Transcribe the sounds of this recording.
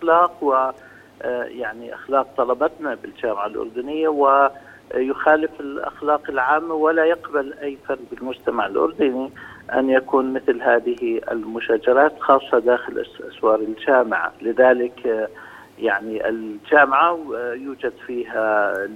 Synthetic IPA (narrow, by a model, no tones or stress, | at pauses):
ʔaxlɑːqwɪ | jaʕniʔa̰xlɑːq̚t̪ˤɑlɑbɑt̪nabɪld͡ʒaːmɪʕalʔʊ̰ɾˤd̪ʊnɪjːawɪ | jʊxaːlɪfɪlʔa̰xlɑːqɪlʕaːmːawɪlajɪqbalʔajːfɑɾˤzbɪlmʊd͡ʒt̪amaʕɪlʔʊ̰ɾˤd̪ʊniʔa̰njakuːnmɪθlɦaːðɪhiʔɪ̰lmʊʃaːd͡ʒɑɾˤɑːt̪xɑːsˤːɑd̪aːxɪlʔasʔaswɑːɾˤɪld͡ʒaːmɪʕa̰lɪðaːlɪk | jaʕniʔɪ̰ld͡ʒaːmɪʕajuːd͡ʒad̪fiːɦa